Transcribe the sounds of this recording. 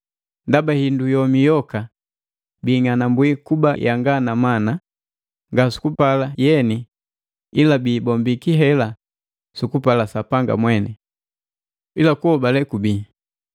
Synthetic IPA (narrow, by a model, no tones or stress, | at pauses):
ndabahindujɔmijɔka | biːŋanambwikubajaŋɡanamana | ŋɡasu̥kupalajɛni | ilabiːbɔmbikiɦɛla | sukupalasapaŋɡa̰mwɛnɛ | ilakuɔbalɛkubi